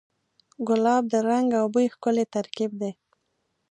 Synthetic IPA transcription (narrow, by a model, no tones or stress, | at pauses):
ɡʊlɑb̚d̪əɾaŋɡawbəixkʊlet̪aɾkib̚d̪e